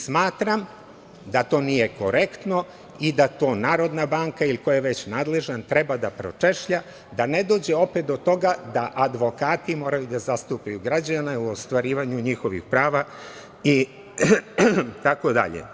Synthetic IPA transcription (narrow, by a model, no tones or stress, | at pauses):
smaːt̪ɾam | d̪at̪o̞ːnije̞ko̞ɾe̞kt̪no̞ | id̪at̪o̞ːnaːɾo̞d̪nabaːŋkailikojaʋe̞t͡ɕnaːd̪le̞ʒant̪ɾebad̪apɾot͡ʂeʃʎa | d̪ane̞d̪o̞ːd͡ʑeo̞pe̞t̪d̪ot̪o̞ɡad̪aʔad̪ʋo̞kaːt̪imo̞ːɾajud̪azast̪upajuɡɾad͡ʑanauost̪ʋaɾiːʋaɲuɲixo̞ʋḭxpɾaːʋa | i | t̪ako̞d̪a̰ʎḛ